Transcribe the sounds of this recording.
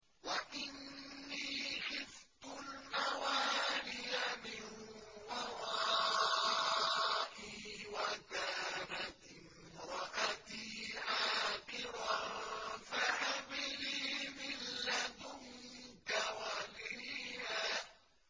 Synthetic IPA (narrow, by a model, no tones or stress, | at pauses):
waʔɪnːiːxɪft̪ʊnːawaːlɪjamɪnwɑɾˤɑː | ʔiwakaːnat̪ | ɪm | ɾɑʔat̪iːʕaːqɪɾa | faʕamɪliːmɪlːad̪ʊŋkawaliha